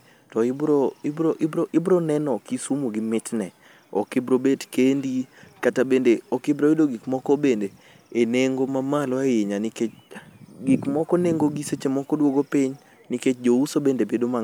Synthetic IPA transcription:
tɔɪbɾoɪbɾoʔɪbɾoʔɪbɾɔnɛnɔkisumoɡimɪtnɛ | ɔ̰kɪbɾobetkendikatabendeɔkɪbɾoedoɡikmɔkɔbendeː | neŋɡomamalɔajeɲaniket͡ʃɡikmɔkɔneŋɡoɡiset͡ʃemɔkɔdwoɡopɪɲ | niket͡ʃd͡ʒousobendebedoma

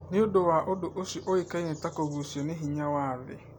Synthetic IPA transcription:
nɪ̃ʊdʊwaːʔʊdʊʔosiʔɔikainɪ̃takɔɡusionɪɦiɲawaːðɪ̰

